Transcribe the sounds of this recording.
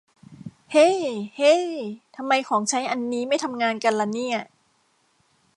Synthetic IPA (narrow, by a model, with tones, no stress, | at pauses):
he˥˩jhe˥˩t̪ʰa˧mːa˧jkʰɔː˩˦ŋt͡ɕʰa˦˥jʔa˧nːiː˦˥ma˥˩jt̪ʰa˧mŋaː˧nka˧nla˧˩niː˥˩ɐ